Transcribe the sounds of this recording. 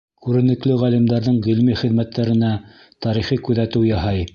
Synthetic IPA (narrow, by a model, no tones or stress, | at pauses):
kʉɾɘ̆nɘ̆klɘʁælimd̪ɑɾðɤɴʁilmiχɘ̆ðmæt̪ːæɾɘ̆næ | t̪ɑɾiχikʉðæt̪ɘwjɑhɑj